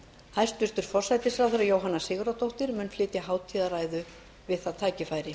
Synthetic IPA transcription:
hajst̪vʏst̪ʏɾ̥fɔr̥sajt̪ɪsɾawθɛɾajowɦanːasɪːɣʏɾat̪owht̪ɪɾmʏnflɪːt̪jaɦaːwt̪ʰiːðaɾaːjðʏ | vɪðθaðt̪ʰaːcɪfaːjɾɪ

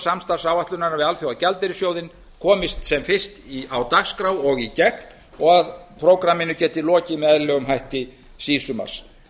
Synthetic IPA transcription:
samst̪ar̥sawaht̪lʏnaɾnavɪðalfjowacɛlt̪ɪɾɪsjoːwðɪn | kʰɔːmɪst̪sɛmfɪr̥st̪iawt̪aɣskɾawɔɣicɛkn̥ | ɔɣaðpʰɾowkɾamːɪnʏcɛːht̪ɪlɔːcɪmɛɛðlœːɣʏmɦajht̪ɪ | siːsʏma̰ɾ̥s

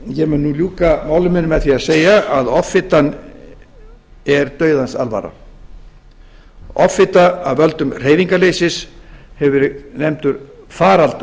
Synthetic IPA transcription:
jɛmɪnːuljuːkamaːwlʏmɪnmɛðθiaðseːjaaðɔfɪt̪an | ɛɾt̪œːɥðansa̰lva̰ːɾa̰ | ɔfːɪt̪aavvœlt̪ʏmr̥eːjviŋkaleːjsɪshɛvʏɾnejmt̪ʏɾfaːɾalt̪ʏ

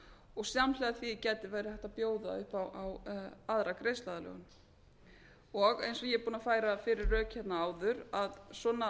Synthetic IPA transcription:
ɔɣsjamlɛɣðaθvicɛːt̪ɪvaːjɾɪθɛht̪apjoːwða̰ʏhpawʔawaðɾakɾejst̪laðalœ̰ɣʏn | ɔɣḛjnsɔjɛɛɾpuːnafaːjɾafɪɾɪɾːœːchɛt̪naaːwðʏɾaðsɔːna

